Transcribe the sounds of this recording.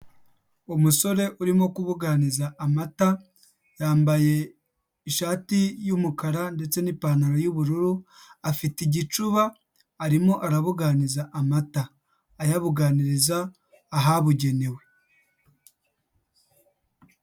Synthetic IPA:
umuso̞ɾe̞ʔuɾimo̞kuβuɡanizaamata | jaːmbaje̞ | iʃaːtijumukaɾande̞t͡se̞nipaːnaɾojuβuɾuɾu | afitiɟit͡ʃuβaː | ɾimo̞ʔaɾaβuɡanizaʔamataː | jaβuɡaniɾizaː | ɦaβuɟe̞ne̞we̞

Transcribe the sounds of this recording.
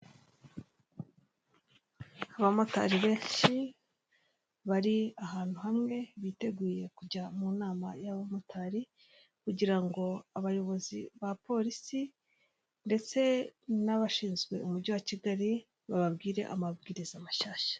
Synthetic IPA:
aβamota̰ɾiβe̞ːʃi | βaɾiaɦaːn̥huhamŋe̞βite̞ɡuːje̞kuɟamunaːma̰jaβamotaɾi | kuɟiɾaŋɡo̞aβajo̞βo̞zḭβapo̞ɾisi | nde̞t͡se̞naβaʃiːnzɡwe̞̰umuɾɟowaciɡaɾi | βaβabɡiːɾe̞̰ʔa̰mabɡiːɾizamaʃaːʃḁ

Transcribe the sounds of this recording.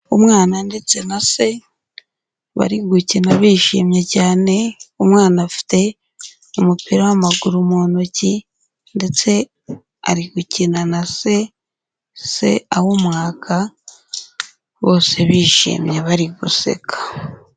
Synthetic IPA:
omŋaːnande̞t͡se̞nase̞ | βa̰ɾiɡucinaβiːʃḭmɲecaːne̞omŋaːnafi̥te̞ | omupiɾawamaɡuɾumoːnoci | nde̞t͡se̞ | a̰ɾiɡucinanase̞ | se̞̰ahomŋaːkʰa | βo̞ːse̞βiːʃḭmjeβaɾiɡuse̞̰kʰḁ

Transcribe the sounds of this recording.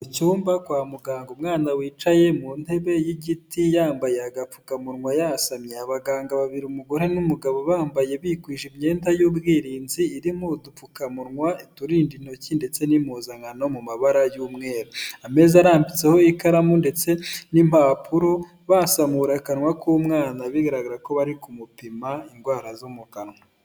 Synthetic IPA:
ucuːmbakwaːmuɡaːŋɡomŋaːnawiːt͡ʃaje̞mun̥he̞βe̞jiɟitijaːmbaje̞aɡap͡fu̥kamuɾŋwajasamɲeaβaɡaːŋɡaβaβiɾiumuɡo̞ɾe̞numuɡaβo̞βaːmbaje̞βikwiːʒimɲe̞ːndajubɡiːɾiːnziːɾimudup͡fukamuɾŋwaituɾiːndin̥ho̞cinde̞t͡se̞nimuzaŋɡano̞mumaβaɾajuːmŋeːɾoame̞ːzaɾaːmbit͡se̞ho̞ikaɾamunde̞t͡se̞nim̥aːpʰuɾo | βasamuɾakanwakumŋaːnaβiɡaɾaɡaɾako̞βaɾikumupimaiŋɡwaːɾazomukanŋwa

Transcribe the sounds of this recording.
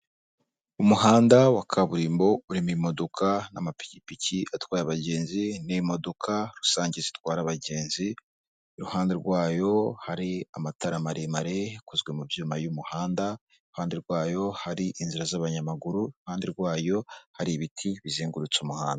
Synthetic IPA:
umuɦaːndawakʰaβuɾiːmbo̞uɾimuimo̞do̞kʰanamapi̥cipicʰiatwaːɾaβaɟe̞ːnzinimo̞do̞kʰaɾusaːɲɟizitwaːɾaβaɟe̞ːnzi | ɾuhaːndeɾɡwaːjo̞haɾiamataɾamaɾimaɾeekozɡwe̞mubjuːmajumuhaːnda | ɾuhaːndeɾɡwaːjo̞haɾiʔinziɾazaβaɲamaɡuɾuɾuhaːndeɾɡwaːjo̞haɾiβitʰiβiziːŋɡuɾut͡sumuhaːnda

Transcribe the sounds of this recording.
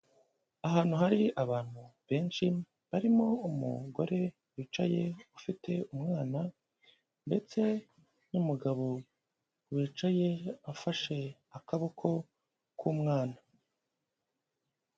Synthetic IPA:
aɦaːn̥huɦaɾiaβaːn̥huβe̞ːnʃi | βaɾimo̞umṵɡo̞̰ɾe̞ | wiːt͡ʃaje̞ufite̞umŋaːna | nde̞t͡se̞ | numuɡaβo̞ | wiːt͡ʃaje̞afaʃe̞ | akaβokʰo̞ | kʰuːmŋaːna

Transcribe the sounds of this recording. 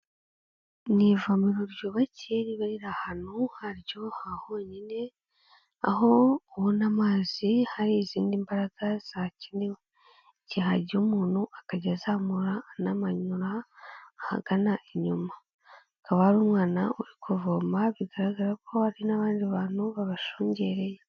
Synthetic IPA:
nivamiɾoɾjoβaceɾiβaɾiɾahanuhaɾjo̞hahoɲine̞ | aɦo̞ːwonamaːzihaɾiziːndimbaɾaɡ̥az̥aciniwe | ciɦaɾɟumuːnhuʔakaɟazamuɾanamaɲuɾaː | ha̰ɡanaʔeɲumaː | kaβahaɾuːmwaːnauɾikʰovoːmaβiɡaɾaɡaɾakʰo̞haɾinaβaːndiβaːnuβaβaʃoːɲɟeːɾe̞je

